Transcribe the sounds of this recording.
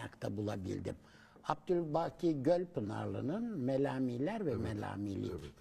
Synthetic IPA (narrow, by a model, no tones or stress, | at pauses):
akt̪ʰabulˠabḭlʲd̪ḭm | ap̚d̪ylʲbacʰiɟølʲpɯna̰ɾlˠɯ̰nɯnmelʲaːmiːlʲæɾvɛmelʲa̰ːmilʲḭc